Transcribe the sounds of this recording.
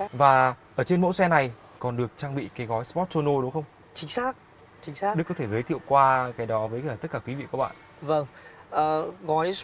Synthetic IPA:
vaː˨˩ʔəː˧˩t͡ɕe˧nmo̰˧˥sɛ˧na˨˩j | kɔ˨˩nɗɨ˨˩ək̚t͡ɕaː˧ŋɓḭ˧˨kaː˨˦jɣɔ˨˦jspɔ˦˥t̚so˧no˧ɗʊ˨˦ŋ͡mxə˧wŋ͡m | t͡ɕï˨˦ŋ̟saː˦˥k̚ | t͡ɕï˨˦ŋ̟saː˦˥ɗɨ˦˥kːɔ˨˦t̪ʰe˧˩zəː˨˦jt̪ʰḭ˧˨əwkwaː˧kaː˨˦jɗɔ˨˦vəː˨˦jəː˨˩t̪ə˦˥t̚kaː˧˩kwi˨˦vḭ˧˨kɔ˨˦ɓa̰ː˧˨n | və˧˩ŋʔəː˨˩ɣɔ˨˦js

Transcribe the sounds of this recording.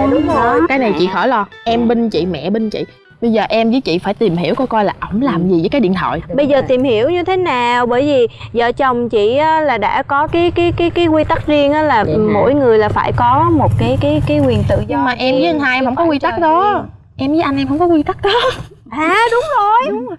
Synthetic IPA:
ʊ˨˦ŋ͡mjkaː˨˦jna˨˩jt͡ɕḭ˧˨xɔ˧˩jlɔ˧ | ʔɛ˧mɓə˧ŋt͡ɕḭ˧˨mɛ̰˧˨ɓə˧nt͡ɕḭ˧˨ | ɓə˧jzəː˨˩ʔɛ˧mzəː˨˦jt͡ɕḭ˧˨faː˧˩jt̪i˨˩mhi˧˩əwkɔ˧jkɔ˧jlaː˨˩ʔə˧˩wŋ͡mlaː˨˩mzi˨˩əː˨˦kaː˨˦ɗḭ˧˨ənt̪ʰɔ̰ː˧˨jɓə˧jzəː˨˩t̪i˨˩mhi˧˩əwɲɨ˧t̪ʰe˨˦naː˨˩˨wɓəː˧˩jvi˨˩zə̰ː˧˨˩t͡ɕə˨˩wŋ͡mt͡ɕḭ˧˨ʔaː˨˦laː˨˩ɗa̰ː˧˥kɔ˨˦kaː˨˦jkaː˨˦jkaː˨˦jkaː˨˦jkwi˧t̪a˦˥t̚zi˧əŋʔaː˨˦laː˨˩˨mo̰˧˥jŋɨ˨˩əjlaː˨˩faː˧˩jkɔ˨˦mo˨˩t̚kaː˨˦jkaː˨˦jkaː˨˦jkwi˨˩ənt̪ɨ̰˧˨ɲɨ˧ŋmaː˨˩ʔɛ˧mzə˨˦ə˧ŋhaː˧jɛ˧mhə˧˥wŋ͡mkɔ˨˦kwi˧t̪a˦˥k̚ɗɔ˨˦ | ʔɛ˧mzə˨˦jʔa˧ŋ̟ʔɛ˧mɦə˧˥wŋ͡mkɔ˨˦kwi˧t̪a˦˥k̚ɗɔ˨˦ | ʔaː˨aː˨˩ɗʊ˨˦ŋ͡mzo˨˩j

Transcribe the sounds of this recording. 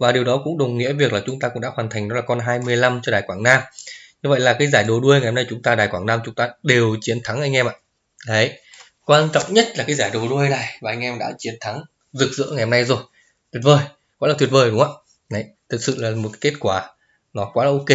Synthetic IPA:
vaː˨˩ɗi˨˩əwɗɔ˨˦kʊ̰˧˥ŋ͡mɗə˨˩wŋ͡mŋḭ˧˥əvi˨˩ək̚laː˨˩t͡ɕʊ˨˦ŋ͡mt̪a˧kʊ̰˧˥ŋ͡mɗa̰ː˧˥hwaː˨˩nt̪ʰa˨˩ŋɔ˨˦laː˨˩kɔ˧nɦaː˧jmɨ˧əjla˧mt͡ɕɔ˧ɗaː˨˩jkwaː˧˩ŋnaː˧mɲɨ˧və̰˧˨jlaː˨˩kaː˨˦jzaː˧˩jɗo˨˩ɗu˧əjŋa˨˩jhmna˧jt͡ɕʊ˨˦ŋ͡mt̪aː˧ɗaː˨˩jkwaː˧˩ŋnaː˧mt͡ɕʊ˨˦ŋ͡mt̪aː˧ɗe˨˩wt͡ɕi˨˦ənt̪ʰa˨˦ŋʔa˧jŋ̟ʔɛ˧mʔaː˧˨ | ɗə˨˦j | kwaː˧nt͡ɕɔ̰˧˨wŋ͡mɲə˦˥t̚laː˨˩kaː˨˦jzaː˧˩jɗo˨˩ɗu˧əɗaː˨˩jvaː˨ʔa˧jŋ̟ʔɛ˧mɗa̰ː˧˥t͡ɕi˨˦ənt̪ʰa˨˦ŋ | zɨ˨˩k̚zɨ̰˧˥əŋa˨˩jhɔ˧na˧jzo˨˩j | t̪ʰwi˨˩ət̚vəː˨˩j | kɔ˨˦aː˨˩t̪ʰwət̚vəː˨˩jɗʊ˨˦ŋ͡mʔaː˧˨ | a˨˦jt̪ʰɨ˨˩k̚sɨ̰˧˨laː˨˩mo˨˩t̚kke˦˥t̚kwaː˧˩ | nɔ˨˦kwaː˨˦ʔə˧ke˧

